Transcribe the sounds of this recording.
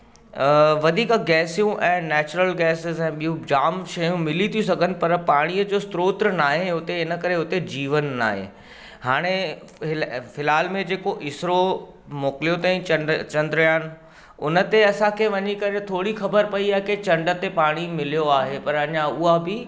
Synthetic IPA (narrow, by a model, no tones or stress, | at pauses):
ʋɐd̪ʱiːkɡɛːsijũʔɛ̃ːnɛːt͡ɕʊɾəlɡɛːsɪzɛ̃ːɓijũd͡ʑaːmʃɐjũmɪlit̪ʰijũsɐɡʱənɪ̆pɐɾpaːɽ̃iːəd͡ʑoːst̪ɾoːt̪ɾənaːɦeʊt̪eɪnəkɐɾeʊt̪ed͡ʑiːʋənːa̰ːɦḛ | haːɽ̃e | ɪfɪlaːlmẽd͡ʑeːkoʔɪsɾo | moːkɪlijot̪ãĩt͡ɕɐ̃nɖt͡ɕɐ̃nd̪ɾjaːnɪ̆ | ʊnə̆t̪eɐsãkʰeʋɐɲikɐɾet̪ʰoːɽixɐbəɾpɐiaːɦeket͡ɕɐ̃ɳɖə̆t̪epaːɽ̃imɪlijoaːɦepɐɾɐɲãʊɦabɪ